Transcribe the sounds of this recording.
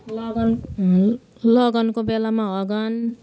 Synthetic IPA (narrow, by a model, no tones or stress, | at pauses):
lʌɡn | lʌɡʌnkobelamaʌɡʌn